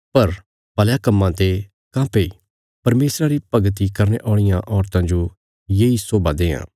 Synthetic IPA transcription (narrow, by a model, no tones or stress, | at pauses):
pɐɾ | bɐljakɐmːãt̪e | kãːpei | pɐɾmeːsɾaɾipɐɡət̪̬ikɐɾneʔɔ̃ːɪjãʔɔːɾt̪ãd͡ʒo | jeːisoːbad̪eːã̰ː